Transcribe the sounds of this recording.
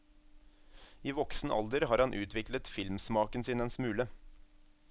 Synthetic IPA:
iːʋɔksn̩ʔɑ̰ld̪əɾhɑːɾhɑnʔʉːt̪ʋɪklət̪fɪlmsmɑːkənsiːnɛnsmʉːlə

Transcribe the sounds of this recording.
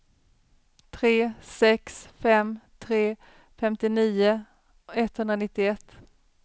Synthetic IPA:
t̪ʰɾeːsɛksfɛmt̪ʰɾeː | fɛmt̪ɪniːʊ | ɛt̪ːhɵnd̪ɾanɪt̪ːɪɛt̪ː

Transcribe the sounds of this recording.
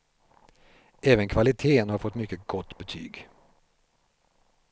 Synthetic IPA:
ʔɛːvənkʰvalɪt̪ʰeːənhaɾfɔt̪ːmʏkːəɡɔt̪ːbət̪ʰy̰ːɡ

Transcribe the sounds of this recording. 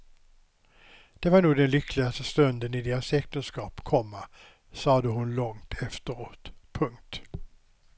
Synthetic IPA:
d̪̥ɛvɑɳuːd̪ɛnlʏkʰlɪɡast̪əst̪ɵnd̪ənɪd̪eːɾasɛkt̪ənskɑːpkʰɔmːa | sɑːd̪əɦʊnlɔŋt̪ʰɛft̪əɾoːt̪pʰɵŋt̪

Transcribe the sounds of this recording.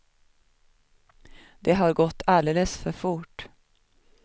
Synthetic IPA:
d̪̥eːhɑːɾɡɔt̪ʰæːɖeləsfɔfʊʈ

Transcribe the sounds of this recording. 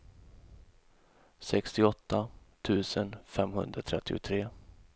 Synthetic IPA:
sɛkst̪ɪɔt̪ːat̪ʰʉ̟ːsənfɛmɦɵnd̪ɾat̪ʰɾɛt̪ːɪʊ̰t̪ʰɾeː

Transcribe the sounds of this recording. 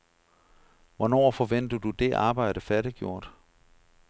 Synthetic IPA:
ʋɒnɒ̰ːfɒ̽ʋen̰d̥əðd̥ud̥e̝ʔɑ̈ːb̥ɑ̈ɪ̰ɾ̥əfæɐɾ̥iɡ̥jo̝ɐ̰d̥

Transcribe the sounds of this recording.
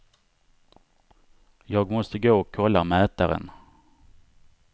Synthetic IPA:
jɑːɡmɔst̪əɡoːɔkʰːɔlːamɛːt̪aɾə̰n

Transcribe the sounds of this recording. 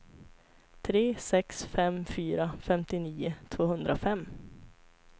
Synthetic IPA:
t̪ʰɾeːsɛksfɛmfyːɾafɛmt̪ɪniːʊt̪ʰv̥oːhɵnd̪ɾʔafɛmː

